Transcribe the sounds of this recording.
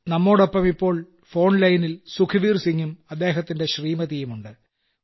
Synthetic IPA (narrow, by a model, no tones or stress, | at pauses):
nɐmːo̞ːɽopːɐmipːo̞ːɭ | fo̞ːɳlɐjnilsukʰɐʋiːrsiŋːumɐd̪ːe̞ːɦɐt̪ːinde̞ɕriːmɐðijumuɳɖɨ